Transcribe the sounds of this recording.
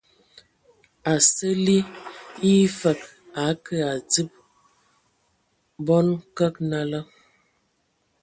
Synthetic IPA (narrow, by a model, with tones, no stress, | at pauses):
a˨sə˦li˦i˦fə˨k̚ | a˨˦kʰə˦a˨d͡zi˦p̚ | bɔ˦nkə˦k̚na˦lə˦